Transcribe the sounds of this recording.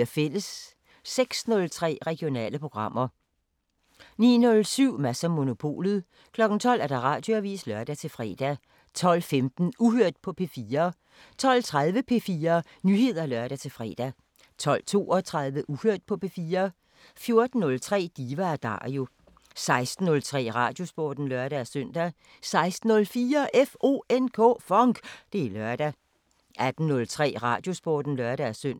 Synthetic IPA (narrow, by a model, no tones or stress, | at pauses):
ɐfel̰əsː | eɡ̥snɔ̽lt͡sʰʁɛ̰ːʁɛɡ̥jo̝nɛ̰ːləpʰʁo̝ɡ̥ʁɑ̈m̰ɐ | niːnɔ̽lsyʊ̰mæsɐmo̝no̝pʰo̝̰ːlð̞̩ˠ | kʰlɒ̽ɡ̥n̩t͡sʰɒ̽l̰æɐd̥ɑ̈ʁɑ̈ːd̥joæʋḭːslɶɐd̥æt͡sʰe̝lfʁɛ̰ːd̥æ | t͡sʰɒ̽l̰femd̥n̩uhøɐ̰d̥̚pʰɒ̽pʰe̝fiːɐː | t͡sʰɒ̽l̰t͡sʰʁað̞ˠʋəpʰe̝fiːɐː | nyhe̝ð̞̰ˠɐlɶɐɾ̥æt͡sʰe̝lfʁɛ̰ːd̥æ | t͡sʰɒ̽l̰t͡sʰo̝̰ːɒt͡sʰʁɑ̈ð̞ˠʋəʔuhøɐ̰d̥̚pʰɒ̽pʰe̝fiːɐː | fjo̝ɐd̥n̩ːɔ̽lt͡sʰʁɛ̰ːd̥iːʋææd̥ɑ̰̈ːjo̝ | sɑ̈ɪsd̥n̩ːɔ̽lt͡sʰʁɛ̰ːʁɑ̈d̥jo̝sb̥ɒːd̥n̩lɶɐɾ̥ææsøn̰d̥æ | sɑ̈ɪsd̥n̩ɔ̽lfiːɐʔefʔo̝̰ːenkʰɔ̰ːfɒŋɡ̥d̥e̝ælɶɐd̥æ | ʔæd̥n̩ːɔ̽lt͡sʰʁɛ̰ːʁɑ̈d̥jo̝sb̥o̰ːd̥n̩lɶɐɾ̥ææsøn̰